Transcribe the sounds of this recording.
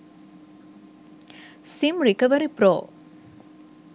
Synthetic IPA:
simɾikɐʋəɾipɾo̰ː

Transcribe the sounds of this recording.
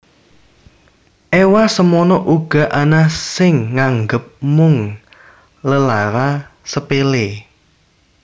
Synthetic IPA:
ʔɛwasəmɔnɔʔuɡ̥a̤ʔanasɪŋːaŋɡəp̚mʊŋ | ləlaɾasəpele

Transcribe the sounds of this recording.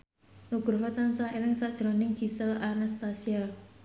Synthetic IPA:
nuɡ̥ɾɦɔt̪ansaeɾɪŋsad̥ʒ̥əɾɔnɪŋɡ̥i̤səlanast̪asia

